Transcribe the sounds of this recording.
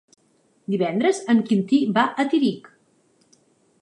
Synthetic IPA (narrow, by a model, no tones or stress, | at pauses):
d̪iβɛnd̪ɾəzəmkint̪ibaʔət̪iɾik